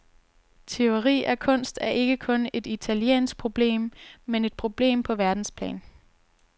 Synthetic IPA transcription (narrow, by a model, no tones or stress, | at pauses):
t͡sʰe̝oʁḭːækʰɔ̽n̰sd̥æɐʔe̝ɡ̥əkʰɔ̽ne̝d̥it͡sʰæljḛːnsɡ̥̚pʰʁo̝b̥le̝̰ːmːene̝d̥̚pʰʁo̝b̥le̝̰ːmpʰɒ̽ʋæɐd̥n̩spʰlɛ̰ːn